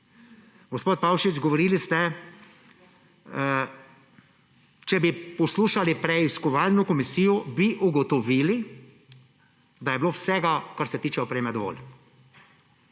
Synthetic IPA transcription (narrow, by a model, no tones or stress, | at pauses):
ɡɔspoːt̪̚pawʃid͡ʒɡɔʋɔɾiːlist̪ɛ | t͡ʃɛbipɔsluːʃalipɾɛiskɔʋaːlnɔkɔmisiːjɔbiʔuɡɔt̪ɔʋiːli | d̪ajɛblowsɛɡakaɾsɛt̪iːt͡ʃɛɔpɾeːmɛd̪ɔʋo̰ːl